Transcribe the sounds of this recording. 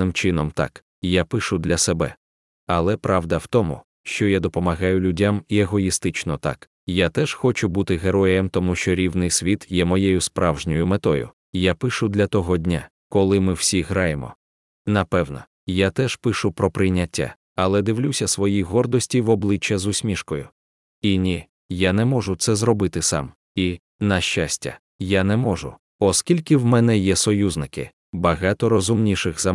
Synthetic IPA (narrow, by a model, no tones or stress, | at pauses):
nɪmt͡ʃɪnɔmt̪a̰k | japɪʃʊd̪lʲɐsebɛ | ɐlˠɛpɾɑwd̪ɐwt̪ɔmʊ̰ | ʃt͡ʃɔjad̪ɔpɔmɐɣɑjʊlʲʊdʲamieɦɔjist̪ɪt͡ʃnɔt̪a̰k | jat̪ɛʃxɔt͡ʃʊbut̪ɪɦeɾɔjemt̪ɔmuʃt͡ʃɔɾʲiwnɪjsʲʋʲit̪jɛmɔjɛjʊspɾɑwʒnʲɔjʊmet̪ɔjʊ̰ | japɪʃʊd̪lʲɐt̪ɔɦɔdʲnʲa | kɔlˠɪmɪw̥sʲiɦɾɑjemɔ̰ | nɐpɛwnɔ̰ | jat̪ɛʃpɪʃʊpɾɔpɾɪjnʲɐtʲːa̰ | ɐlˠɛd̪ɪwlʲusʲɐsʋɔjiɦɔrd̪ɔsʲtʲiʋɔblˠɪt͡ʃːɐzʊsʲmʲiʃkɔjʊ | inʲi | janɛmɔʐʊt̪sɛzɾɔbɪt̪ɪsɑ̰m | i | nɐʃt͡ʃasʲtʲɐ̰ | janɛmɔʒʊ̰ | ɔskʲilʲkɪwmɛnɛjɛsɔjuznɪkɪ̰ | bɐɣɑt̪ɔɾɔzʊmnʲiʃɪxzɐ